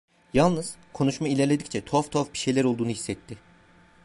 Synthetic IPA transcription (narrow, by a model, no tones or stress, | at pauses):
jalˠnɯz̥kʰo̞nuʃmailʲæɾlʲe̞d̪i̥ct͡ʃʰɛt̪ʰoft̪ʰofbi̥ʃejlʲæɾo̞lˠd̪uːnuɦisːɛt̪ʰːɪ